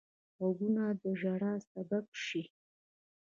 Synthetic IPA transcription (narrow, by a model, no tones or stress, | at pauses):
ɣaɡunad̪əʒaɽɑsabab̚ʃi